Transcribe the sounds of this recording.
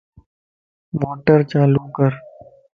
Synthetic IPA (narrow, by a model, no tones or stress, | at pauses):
moːʈəɾt͡ʃaːluːkəɾ